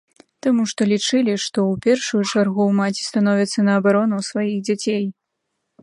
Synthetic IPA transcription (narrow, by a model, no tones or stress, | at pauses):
t̪amuʂt̪ɔlʲit͡ʂɨlʲiʂt̪ɔwpʲɛrʂujut͡ʂarɣuwmat͡sʲi̥st̪anɔvʲit̪sːɐnɐːbaɾɔnusvajiɣd͡zʲat͡sʲej